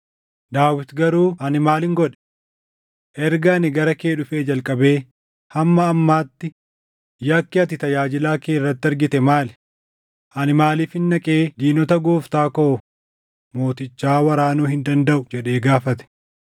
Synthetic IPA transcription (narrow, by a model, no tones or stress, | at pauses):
d̪aːwɪt̪ɡɐɾuːɐnɪmaːlɪŋɡɔᶑɛ̥ | ʔɛɾɡaːnɪɡɐɾɐke̞ːᶑʊfeːd͡ʒɐlkʼɐbe̞ː | hɐmːɐːmːaːt̪ːɪ | jɐkːɪɐt̪ɪt̪ɐjaːd͡ʒɪlaːkeːrːɐt̪ːɪɐɾɡɪt̪ɛmaːlɛ̥ | ʔɐnɪmaːliːfɪnːɐkʼeːd͡ʒ̪iːnɔt̪ɐɡoːft̪aːkoː | mo̞ːt̪ɪt͡ʃːaːwɐɾaːnuːhɪnd̪ɐnd̪ɐʔʊd͡ʒɛᶑe̞ːɡaːfɐt̪ɛ̥